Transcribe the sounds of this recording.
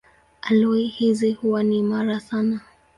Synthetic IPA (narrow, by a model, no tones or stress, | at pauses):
alɔihizihuwanimaɾasana